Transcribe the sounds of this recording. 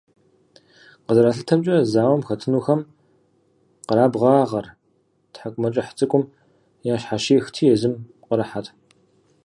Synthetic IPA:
qəzɐɾaːɬɨtʰɐmt͡ʃʼɐzaːwɐmxɐtʰɨnuːxɐm | qəɾaːbʁɑːʁɐr | tħakʷʼmɐt͡ʃʼɐħt͡sʼɨkʷʼʊm | jaːʃħaʃiːxtʰiːjɛzɨm | qəɾɐħatʰʼ

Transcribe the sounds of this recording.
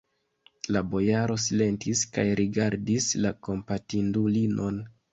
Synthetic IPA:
labo̞jaɾo̞s̬ile̞ntiskajɾʔiɡaɾdislako̞mpatindulinʔo̞n

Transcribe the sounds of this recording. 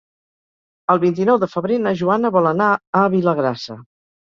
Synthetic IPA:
əlˠβint̪̬inɔwðəfəβɾenəʒuanəβɔlˠənaəβiləɣ̞ɾasə̰

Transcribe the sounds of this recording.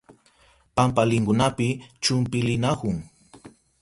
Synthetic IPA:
pampalɪŋkʊnapɪt͡ʃʊmpɪlɪnakʊŋ

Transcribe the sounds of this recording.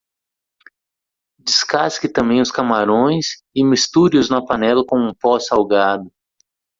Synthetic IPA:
d͡ʒiskaskɪt̪ɐ̃mbẽj̃ʊskamaɾõj̃s | ɪmist̪uɾiʊznɐpɐnɛlɐkõũpɔsawɡad̪ʊ

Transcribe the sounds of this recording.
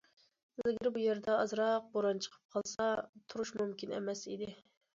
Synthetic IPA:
zɪɡʲiɾbujeɾd̪ɛɑzɾɑq̚boɾɑnt͡ʃʰə̥qʰə̥p̚qʰɑlˠsɑt̪ʰuɾuʃmumkʲinɛ̰mɛsid̪ɪ

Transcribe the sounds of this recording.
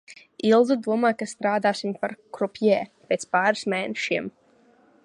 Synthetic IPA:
ilˠzud̪uɔmaːkast̪ɾaːd̪aːsimpaɾkɾupʲjɛːpʲeːt̪spaːɾɨsmɛːnɛʃiɛm

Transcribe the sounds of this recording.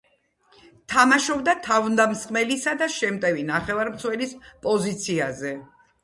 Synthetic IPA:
t̪ʰamaʃɔbd̪at̪ʰavnd̪amsχʼmɛlisad̪aʃɛmt̪ʼɛvinaχɛvaɾmt̪wɛlispʼɔzit̪sʰiazɛ

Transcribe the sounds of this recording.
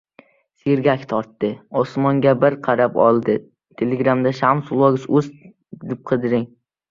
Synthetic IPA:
seɾɡʲakʲt̪ʰɒɾt̪ːɪɒsmɒŋɡʲabɪɾqʰɑɾapɒ̰lˠd̪ɪ | t̪ʰe̞leɡɾamd̪aʃamsʊlˠɒɡʲɪsɵz | d̪ɪp̚qʰɨd̪ɪɾɪŋ

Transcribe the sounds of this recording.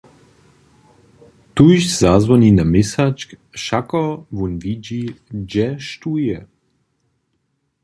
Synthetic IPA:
t̪uʃz̥azvɔninamɪsat͡ʃk | ʃakɔvunvid͡ʑid͡ʒɛʃt̪ujɛ

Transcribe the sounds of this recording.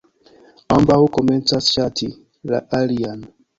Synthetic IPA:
ambaukɔmɛntasʃatʰi | la̰ʔalian

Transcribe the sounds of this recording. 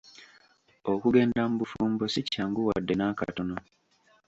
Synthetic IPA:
okuɡe̞ːndamubufuːmbosicːaːŋɡuwa̰dːe̞naːka̰tono

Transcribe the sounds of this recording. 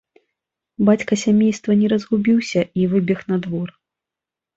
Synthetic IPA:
bat͡sʲkɐsʲamʲejst̪vɐnʲɛɾɐzɣubʲiwsʲɐivɨbʲɛxnɐd̪vɔr

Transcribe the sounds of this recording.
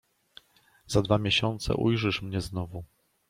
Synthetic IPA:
zad̪vamʲjeɕɔnt̪sɛ̰ʔujʐɘʂmɲɛznɔvu

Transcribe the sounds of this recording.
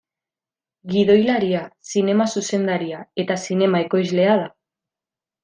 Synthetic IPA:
ɡiðo̞jlaɾiasine̞masuse̞nd̪aɾiae̞t̪asine̞maeko̞jzle̞aða

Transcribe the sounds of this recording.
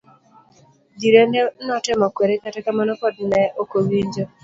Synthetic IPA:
diɾenɛnɔtɪmɔkweɾekatɛkamanɔkɔdnɛʔokowiɲd͡ʒo

